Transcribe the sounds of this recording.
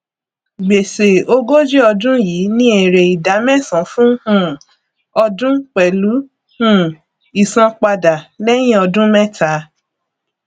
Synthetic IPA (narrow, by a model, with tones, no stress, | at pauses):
ɡ͡be˨se˨o˧ɡo˦d͡ʒe˦ɔ˧dũ˦jiː˨˦nĩ˦e˨ɾe˨i˨da˨˦mɛ̃˦sã˨˦fũ˦hũ˦ | ɔ˧dũ˦k͡pɛ˨lu˨˦ | hũ˦˨ | i˨sã˧k͡pa˧da˨lɛ˦j̃ĩ˦ɔ˧dũ˦mɛ̃˦ta˨˦